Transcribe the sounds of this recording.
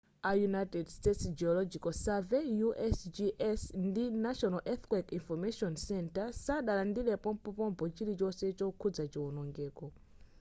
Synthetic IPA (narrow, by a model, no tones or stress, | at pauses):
ajunajtɛdstɛtsd͡ʒiɔlɔd͡ʒikɔsavɛjuʔɛsd͡ʒiʔɛsndinaʃɔnalʔɛθkwɛkinfɔmɛʃiɔnsɛntasaɗalandilɛpɔmpɔpɔmpɔt͡ʃiɾit͡ʃɔsɛt͡ʃɔkʰud͡zat͡ʃiɔnɔŋɡɛːkɔ